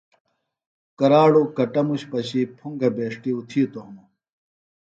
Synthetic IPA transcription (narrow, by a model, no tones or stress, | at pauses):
kɐɾaːɽokɐʈɐmuɕpɐɕipʰuŋɡɐbeːʂʈiut̪ʰiut̪oɦɐmo